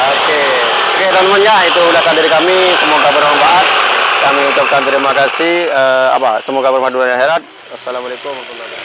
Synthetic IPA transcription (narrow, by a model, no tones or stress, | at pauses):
oke | oket̪ɔləmənd͡ʒait̪ulasandiɾikamisəmoɡabəɾmambat̪̚kamiut͡ʃap̚kant̪əɾimakasihəa̰pasəmoɡabərmaduanaɦɛɾat̪̚ | asalamalekumakulaa